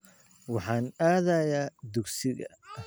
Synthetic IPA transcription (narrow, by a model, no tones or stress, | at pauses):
wɑħɑːnaːðɐjaːd̪ʊɡsɪɣɐ̰